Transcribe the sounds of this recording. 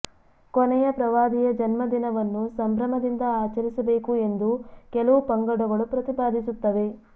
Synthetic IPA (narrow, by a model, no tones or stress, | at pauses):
kɔnɛjɐpɾɐʋaːd̪ijɐd͡ʒɐnmɐd̪inɐʋɐnːusɐmbɾɐmɐd̪ind̪ɐaːt͡ʃɐɾisɐbeːkue̞nd̪ukɛlɐʋupɐŋɡɐɽuɡɐɭupɾɐt̪ibaːd̪isut̪ːɐʋe̞